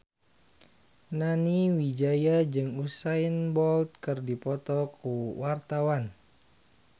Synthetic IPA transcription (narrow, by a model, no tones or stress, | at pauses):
naniwid͡ʒajad͡ʒɨŋusainbɔlt̪̚kɨrdipɔt̪ɔkuwart̪awan